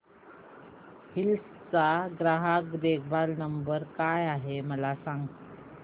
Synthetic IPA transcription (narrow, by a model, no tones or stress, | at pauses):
hils | t͡saɡɾaɦakd̪eɡ̚bʱalnəmbəɾkajaɦeməlasãŋɡ̪